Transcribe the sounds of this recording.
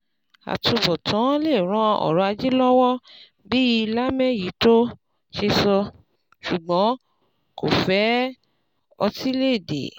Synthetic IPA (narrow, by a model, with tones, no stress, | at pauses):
a̰˨tu˧bɔ˨tʰã˨˦le˦˨ɾ̃ã˨˦ɔ̰˨ɾɔ˧˦a˧d͡ʒi˦lɔ˦wɔ˦ | bi˦ji˧la˦mɛ̃˦ji˨˦to˦ | ʃe˧sɔ˧ | ʃu˨ɡ͡bɔ̃˨˦ | ko̰˨fɛ˨˦ | ɔ˧ti˦le˦˨dḛ˨